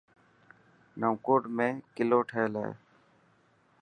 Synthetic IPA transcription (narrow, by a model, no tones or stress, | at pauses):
nəːkoːʈmẽːkɪloːʈʰeːlḛː